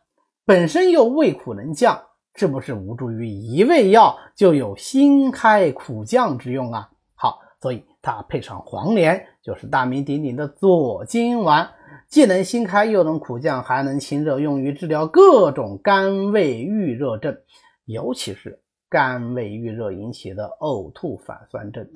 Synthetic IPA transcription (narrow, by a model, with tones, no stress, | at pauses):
pə˨˩nʂə˥njo˥˧ʊwe˥˩ɪkʰu˨˩nə˧˥nt͡ɕjɑ˥˧ŋ | ʂɻ̩˥˩pu˧˥ʂɻ̩˥˩u˧˥ʈ͡ʂu˧˩y˧˥i˧˥we˥˧ɪjɑ˥˧ʊt͡ɕjo˥˩ʊjo˨˩ʊɕi˥nkʰa˥ɪkʰu˨˩t͡ɕjɑ˥˧ŋʈ͡ʂɻ̩˧˥jʊ˥˩ŋɐ˩ | xɑ˧˩˦ | swɔ˧˥i˨˩t̪ʰa˥pʰe˥˧ɪʈ͡ʂʰɑ̰˨˩ŋxwɑ̰˧˥ŋljɛ˧˥nt͡ɕjo˥˧ʊʂɻ̩˥˧t̪a˥˩mi˧˥nt̪i˧˥ŋt̪i˨˩ŋd̪ə˦t͡swɔ˨˩t͡ɕi˥nwa˧˥n | t͡ɕi˥˩nə˧˥ŋɕi˥nkʰa˥ɪjo˥˩ʊnɤ˧˥ŋkʰu˨˩t͡ɕjɑ˥˩ŋxa˧˥ɪnɤ˧˥ŋt͡ɕʰi˥nɻɤ˥˧jʊ˥˩ŋy˧˥ʈ͡ʂɻ̩˥˩ljɑ˧˥ʊkɤ˥˩ʈ͡ʂʊ˨˩ŋka˥nwe˥˧ɪy˥˧ɻɤ˥˧ʈ͡ʂə˥˩n | jo˧˥ʊt͡ɕʰi˧˥ʂɻ̩˥˩ | ka˥nwe˥˧ɪy˥˧ɻɤ˥˩i˧˥nt͡ɕʰi˨˩d̪ə˦o˥˧ʊt̪ʰu˥˩fa̰˨˩nswa̰˥˧nʈ͡ʂə˥˩n